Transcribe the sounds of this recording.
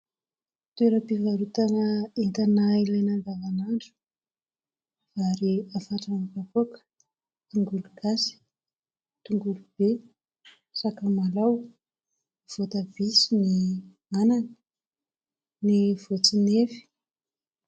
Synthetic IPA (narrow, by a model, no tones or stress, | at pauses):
t̪weɾəpivaɾut̪anəent̪anailajnanɡavanaɳɖ͡ʐu̥ | vaɾiafaʈ͡ʂanipapokə̥ | t̪uŋɡuluɡ̥asi̥ | t̪uŋɡulub̥e | sakamalaw | v̥ot̪av̥isini | ananə̥ | niv̥ot͡sinefi̥